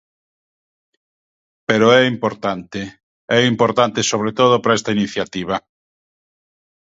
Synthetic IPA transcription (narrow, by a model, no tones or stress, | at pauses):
peɾoɛimpoɾt̪ant̪e | ɛimpoɾt̪ant̪esoβ̞ɾet̪oð̞ʊpɾaɛst̪ainiθjat̪iβ̞ɐ